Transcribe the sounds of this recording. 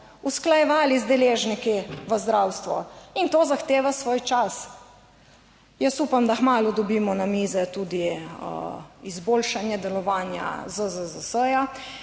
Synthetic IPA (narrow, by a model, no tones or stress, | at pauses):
usklajɛʋaːlizd̪ɛleʒnikiʋəzd̪ɾawst̪ʋɔint̪oːzaxt̪eːʋasʋoːjt͡ʃas | jəsupamd̪axmaːlɔd̪ɔbiːmɔnamiːzɛt̪uːd̪ḭ | izbolʃanjɛd̪ɛlɔʋaːnja̰zəzəzəsəja